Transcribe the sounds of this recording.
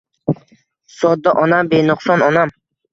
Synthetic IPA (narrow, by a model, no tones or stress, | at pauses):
sɔd̪ːaʔɒnambenʊqsɒnɒnam